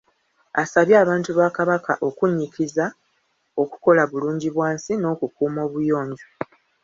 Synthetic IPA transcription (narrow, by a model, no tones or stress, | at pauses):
asaβjaːβaːntuβaːkaβaka̰ʔo̞kuɲːikiza | o̞ku̥ko̞laβuluːɲɟiβwaːnsino̞ːkukuːmo̞ːβujo̞ːɲɟo